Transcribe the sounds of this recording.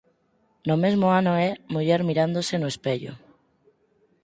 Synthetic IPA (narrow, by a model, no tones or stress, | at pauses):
nʊmezmoanoɛmuʎɛɾmiɾand̪osenʊespeʎo̰